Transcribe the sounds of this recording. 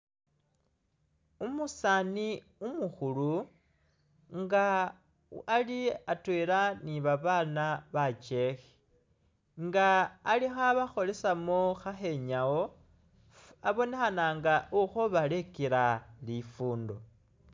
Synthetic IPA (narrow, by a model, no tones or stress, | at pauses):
umusani | umuxulu | ŋɡa | aliatwelaniβaβaːnaβat͡ʃe̞xe̥ | ŋɡaːlixaβaxo̞le̞samoxaxe̞ɲawo | aβo̞ne̞xanaːŋɡauxoβale̞kiɾalifuːndo